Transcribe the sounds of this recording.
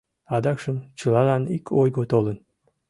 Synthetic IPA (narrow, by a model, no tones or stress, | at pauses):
ɑd̪ɑkʃəmt͡ɕəlɑlɑnikʰojɡot̪olən